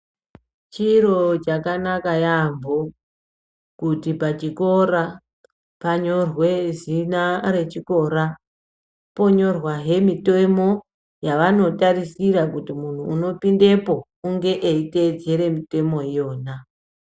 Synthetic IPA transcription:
t͡ʃiro̞t͡ʃakanakajambo | kutipat͡ʃiko̞ra | paɲo̞rwe̞zinare̞t͡ʃiko̞ɾa | po̞ɲo̞rwaɦe̞mitemo̞ | jaʋano̞tarisiɾakutimun̤uːno̞pinde̞po̞ | uŋɡe̞ʔeite̞d͡ze̞ɾe̞mite̞mo̞ijo̞ːna

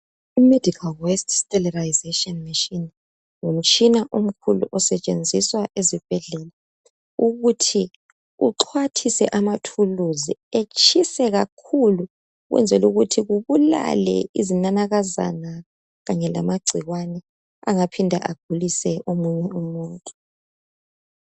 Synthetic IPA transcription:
imedʱikʰalwɛstʰstʼɛlɛraizeʃiɔnmiʃin | ŋum̩t͡ʃʼinaʔom̩kʰulṵʔɔsɛt͡ʃʼend͡zʱiswaʔezib̥ʱɛɮɛla | uɣutʰi | ṵǁʰwatʰisɛʔamatʰuluziet͡ʃʰisɛɣakʰulu | ɣwʔɛ̰nd͡zʱɛluɣutʰiɣuβula̰lɛ̰izinanaɣaza̰na | ɣaɲɛla̰maɡ͡ǀʱiɣwanɛ | aŋapʰindʱa̰ʔaɡ̥ʱulisɛʔomuɲɛumuːntʼu̥

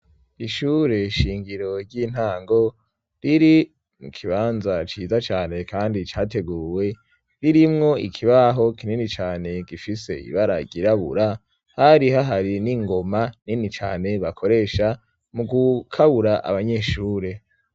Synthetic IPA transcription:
iʃuːɾe̞ʃiːŋɡiɾo̞ɾɟiːn̥haːŋɡo̞ | ɾiɾi | mukʰiβaːnzat͡ʃiːzat͡ʃaːne̞kʰaːndit͡ʃaːte̞ɡuːwe̞ | ɾiɾimŋo̞ʔḭkʰiβaɦo̞kininit͡ʃaːne̞ɡifise̞̰ḭβaɾa̰ɟiɾaβṵɾa | haɾiɦaɦaɾiniŋɡo̞maninit͡ʃa̰ːne̞βakʰo̞ɾe̞ːʃa | muɡukʰaβuɾaʔa̰βaɲe̞ːʃuːɾe̞

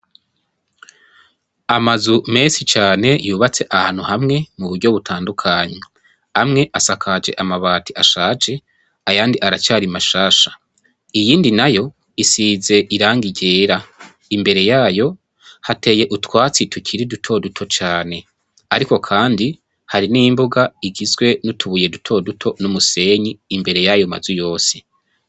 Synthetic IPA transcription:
amazumeːsit͡ʃaːne̞juːβat͡se̞ʔahaːn̥huhamŋe̞muβuɾɟo̞βutʰaːndukʰaɲe | amŋe̞ʔasakʰad͡ʒe̞̰ʔamaβaːtiʔaʃaːd͡ʒe̞ | ajaːndiʔaɾat͡ʃaːɾimaʃaːʃḁ | ijiːndinajo̞ | isize̞ʔiɾaːŋɡiɟe̞ːɾa | imbe̞ɾe̞jaːjo̞ | hate̞je̞ʔutwaːt͡sitʰucʰiɾidutʰo̞dutʰo̞t͡ʃaːne̞ | aɾiko̞kʰaːndi | haɾinimbuɡaiɡizɡwe̞nutuβuje̞dutʰo̞dutʰo̞numuse̞ɲiːmbe̞ɾe̞jajoma̰zujo̞ːse̥

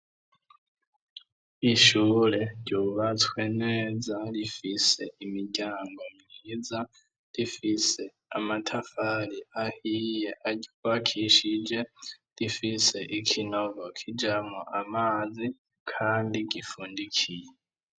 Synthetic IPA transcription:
iʃulɛɟjuβat͡sʰwɛnɛd͡zalifisɛʔimiɟaŋɡɔmŋid͡za | lifisɛ | amatʰafaliahijɛʔaɟiwakʰiʃid͡ʒɛlifisɛʔikʰinɔβɔkʰid͡ʒamuʔamad͡zi | kʰandiɡifundikʰijɛ

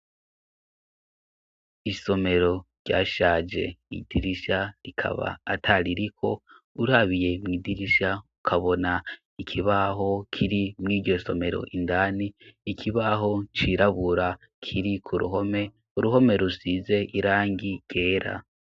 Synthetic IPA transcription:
iso̞me̞ɾo̞ɾɟaːʃaːd͡ʒe̞̰ḭd̥iɾiʃaɾikʰa̰βa̰ːtʰaɾiɾikʰo̞ | uɾaβije̞mŋiːdiɾiʃaukʰaβo̞na | ikʰiβaɦo̞kʰiɾimŋiːdɟo̞so̞me̞ɾo̞̰ʔindaːniːkʰiβaɦo̞t͡ʃiɾaβuɾa | kʰiɾikʰuɾṵɦo̞me̞ | uɾuɦo̞me̞ɾusize̞ʔiɾaːŋɡiɡ̥e̞ːɾa̰

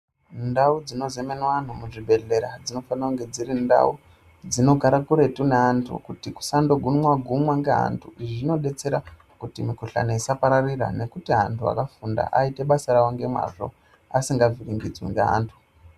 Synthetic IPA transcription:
ndaud͡zino̞zemenwan̤umuʐibʱe̞ɮe̞ɾad͡zino̞fanawuŋɡe̞d͡ziɾinda̰u | d͡zino̞ɡʱaɾakuɾe̞tuneɦantʰṵkutiku̥sando̞ɡʱunwaɡʱumwaŋɡeɦa̰ntʰuʐino̞ɗe̞t͡se̞ɾa | kutimikuɬa̰neisapaɾarira̰ne̞kutiɦantʰua̰kafunda̰ʔaite̞ɓasaɾawoŋɡe̞mwa̰ʐo̞̰ | asiŋɡaviriŋɡid͡zwḭŋɡḛɦa̰ːntʰu̥

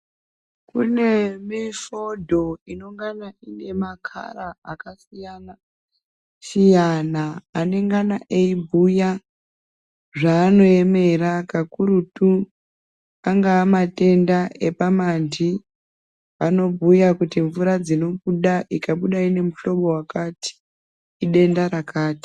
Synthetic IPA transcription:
kune̞miʃo̞dʱo̞ino̞ŋɡanaine̞makʰa̰ɾaakasijana | sijanaːne̞ŋɡanaʔeibʱuja | ʐaːno̞e̞me̞ɾakakuɾutu | aŋɡaːmate̞ndaʔe̞pamand͡ʒi | ʋano̞bʱujakutiɱvuɾad͡zino̞kuɗaʔikaɓuɗaine̞muɬo̞ɓowakati̥ː | ɗe̞ndaɾakaːti̥

